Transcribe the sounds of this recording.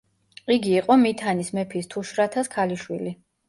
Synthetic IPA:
iɡiːqʼɔmit̪ʰanismɛpʰist̪ʰuʃɾat̪ʰaskʰaliʃwili

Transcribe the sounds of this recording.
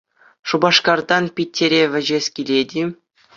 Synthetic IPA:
ʂubɑʂkɑrd̪ɑnpʲit̪ʲːeɾʲeʋʲɘ̆ʑesʲkʲilʲedʲi

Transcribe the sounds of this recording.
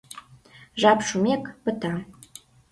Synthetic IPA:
ʒɑpʃumekpə̆t̪ɑ

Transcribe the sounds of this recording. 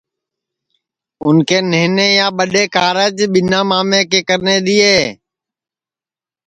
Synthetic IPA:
ʊnkeːneːneːjãːɓəɗeːkaːɾəːd͡ʒɓɪnãːmaːmẽːkeːkəɾneːɗ̪iːeː

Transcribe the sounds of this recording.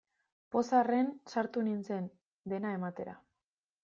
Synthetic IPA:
po̞sare̞nsaɾt̪uninse̞n | d̪e̞nae̞mat̪e̞ɾa̰

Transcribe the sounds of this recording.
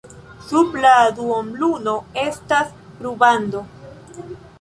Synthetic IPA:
subladuombluno̞e̞stas | ɾubando̞

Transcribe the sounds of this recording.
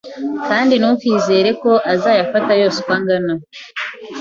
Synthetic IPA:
kaːndinukwiːze̞ːɾe̞ko̞ʔazaːjafatajo̞ːsekwaːŋɡana

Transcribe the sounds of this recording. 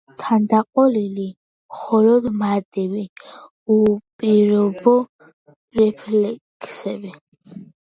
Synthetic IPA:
t̪ʰand̪aqʼɔlili | mχɔlɔd̪mad̪ɛbi | upʼiɾɔbɔ | ɾɛpʰlɛkʰsɛbi

